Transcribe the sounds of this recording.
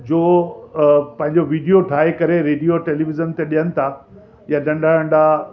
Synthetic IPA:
d͡ʑoː | pɐ̃ɦɪ̃ɲd͡ʑoʋiːɖijoʈʰaːekɐɾeɾeːɖijoʈeːliʋɪd͡ʑənt̪eɗijənɪ̆t̪ʰa | jaɗɐ̃ɳɖʱaə̃ɳɖa

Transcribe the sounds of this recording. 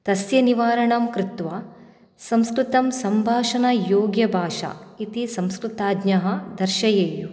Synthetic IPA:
t̪ɐsjɐniʋaːɾɐɳɐmkɾɪt̪ʋaː | sɐmskɾɪt̪ɐmsɐmbʱaːʂɐnɐjoːɡjɐbʱaːʂa̰it̪isɐmskɾut̪aːd̪nɐɦɐ̆d̪ɐɾʃɐjeːju

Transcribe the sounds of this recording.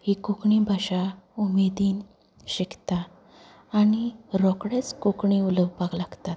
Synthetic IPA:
hikukɳibʱaɕaumed̪iːn | ɕikt̪aː | ñiɾɔkɽet͡skukɳiuləbpaɡlaɡt̪at̪

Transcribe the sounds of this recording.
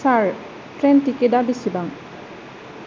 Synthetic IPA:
saɹ | tɹɛntikedabisibaŋ

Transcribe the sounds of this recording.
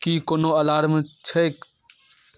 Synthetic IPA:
kiːkoːnoɐlaːɾmẽt͡ʃʰək

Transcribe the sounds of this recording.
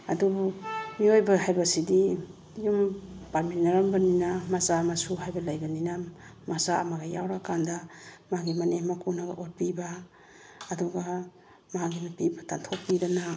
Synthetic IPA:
adubumiojbɐɦajbɐsidi | jumpaminaɾambɐninamazamasuɦajbɐlajbɐnina | mazaa̰maɡaja̰wɾakandamaɡimɐnemakunaɡɐʔot̚pibaː | duɡa | maɡimapibatantʰok̚pidana

